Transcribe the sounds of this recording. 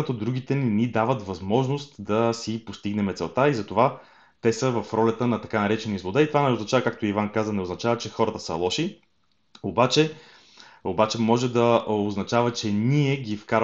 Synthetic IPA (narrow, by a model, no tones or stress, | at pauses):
ət̪od̪ɾuɡ̟it̪ɛninid̪avət̪vɐzmɔʒnost̪d̪ɐsipost̪iɡnɛmɛt̪sɛlˠt̪aizɐt̪ova | t̪ɛsəvɐfɾɔlʲɐt̪ənɐt̪ɐkanɐɾɛt͡ʃɛnizlˠod̪ait̪ovanɛoznɐt͡ʃavəkak̚t̪oivankazənɛoznɐt͡ʃavət͡ʃɛxɔɾət̪əsə̰lˠɔʃi | obat͡ʃɛ | obat͡ʃɛmɔʒɛd̪ɐoznɐt͡ʃavət͡ʃɛniɛɡifkaɾ